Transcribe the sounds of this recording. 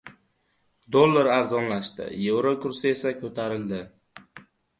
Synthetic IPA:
d̪olˠːaɾaɾzɒnlaʃt̪ɪ̰je̞vɾokʊɾsɪe̞sakʲʰɵt̪ʰaɾɪld̪ɪ

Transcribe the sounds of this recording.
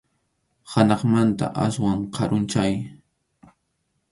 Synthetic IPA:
hanɑχmant̪a̰ʔaswaɴqʰɑɾʊnt͡ʃaj

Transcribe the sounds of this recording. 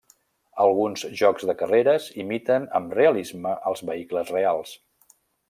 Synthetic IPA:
əlˠɣ̞unzʒɔkzðəkəreɾəzimit̪ənəmreəlizməʔəlˠzβəikləzrealˠs

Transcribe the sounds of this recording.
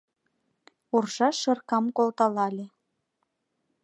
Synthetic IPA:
urʒɑʃɤ̆rkɑmkolˠt̪ɑlɑlʲe

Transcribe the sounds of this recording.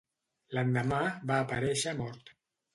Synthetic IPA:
land̪amabaːpaɾɛʃamɔɾt̪

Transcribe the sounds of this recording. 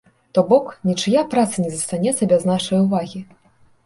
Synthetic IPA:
t̪ɔbɔknʲit͡ʂɨjapɾat̪sɨnʲɛzɐst̪anʲɛt̪sɐbʲɛznaʂɐjuvaɣʲi

